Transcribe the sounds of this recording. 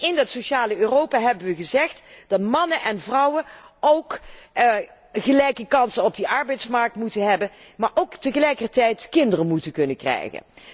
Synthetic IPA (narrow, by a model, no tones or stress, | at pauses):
ɪndɑtsoʃaːləøːrowpaːɦɛbənʋəɣəzɛχtd̥ɑtmɑnənʔɛnvrɑwə | owk | χəlɛjkəkɑnsənɔb̚dəʔɑɹbɛjtsmɑɹk̚tmutənɦɛbənmaːɹʔowktəɣəlɛjkərtɛjtkɪndərəmutənkɵnəkrɛ̰jɣə̰n